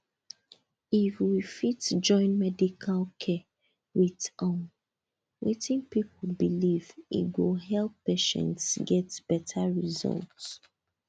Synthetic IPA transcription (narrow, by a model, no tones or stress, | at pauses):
ifwifitd͡ʒɔ̃ɪ̃nmɛdikʰalkʰɛ | witɔn | wetĩnpipʰl̩bilivḭɡuɦɛlˠpːeʃɛ̰̃ntsɡɛtb̥ɛtʰaɹizɔ̰lˠt